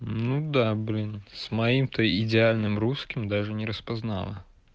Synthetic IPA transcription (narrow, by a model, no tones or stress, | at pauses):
nud̪ablʲinsmajimt̪ɔjidʲɪalʲnɨmruskʲimd̪aʐɨnʲɪɾəspazna̰lˠɐ̰